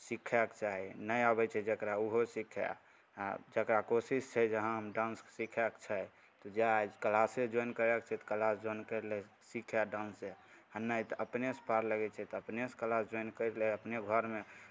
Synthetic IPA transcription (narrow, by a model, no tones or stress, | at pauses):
sikʰɛkt͡ʃaɦinəjabɛt͡ʃʰɛd͡ʒəkɾauɦosikʰɛ̰ | a̰d͡ʒəkɾakosist͡ʃʰɛd͡ʒəɦãɦəmɖãnssikʰɛkt͡ʃʰɛ | t̪ɔd͡ʒead͡ʒkəlased͡ʒɔjnkəɾɛkt͡ʃʰɛt̪ɔ̥kəlasd͡ʒɔinkəɾlɛ | sikʰaɖãnse | anəjt̪ɔəpnespaɾləɡɛt͡ʃʰɛt̪ɔəpnese̥kəlasd͡ʒɔjnkəɾlɛəpneɡʱəɾme